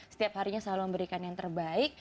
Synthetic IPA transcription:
sə̥t̪iap̚haɾiɲasəlaluməmbəɾikanjaŋt̪ərbaɪk̚

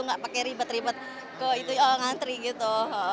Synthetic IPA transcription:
uŋɡaʔpakɛɾibət̪ɾibət̪̚ | kəit̪uaŋant̪ɾiɡit̪u

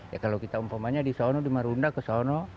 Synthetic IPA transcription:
ja̰kalowkit̪aumpamaɲadisɔnɔdimaɾundakəsɔnɔ

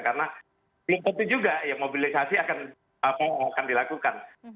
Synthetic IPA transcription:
kaɾəna | bəlʊmt̪ənt̪ud͡ʒuɡajaŋmobilisasiakan | apaakandilakukan

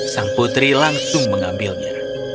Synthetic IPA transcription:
saŋput̪ɾilaŋsʊŋməŋambilɲɛ̰

